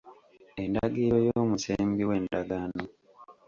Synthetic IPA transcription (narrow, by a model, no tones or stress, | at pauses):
e̞ndaɡiɾo̞jooːmuseːmbiwe̞ːndaɡano